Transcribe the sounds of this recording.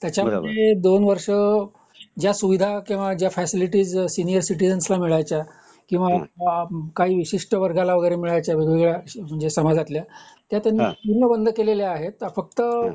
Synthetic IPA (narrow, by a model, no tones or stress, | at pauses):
t̪jat͡ɕjamued̪onʋəɾʂə | d͡ʑjasuʋid̪ʱakĩw̃ʋad͡ʑjafæsiliʈiːd͡zsinijəɾsiʈid͡zənəslamiɭajt͡ɕja | kĩw̃ʋa | kaɦiːʋiɕiʂʈəʋəɾɡalaʋəɡəjɾemiɭajt͡ɕjaʋeɡʋeɡɭjam̤əɳd͡zesəmad͡zat̪ljat̪jat̪janːiːunːəbənd̪ʱəkeleljeaɦet̪fək̚t̪ə